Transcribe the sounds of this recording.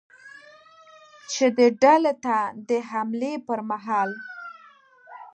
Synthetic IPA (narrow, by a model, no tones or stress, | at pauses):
t͡ʃed̪əɖalot̪ad̪əɦamlepəɾmaɦɑl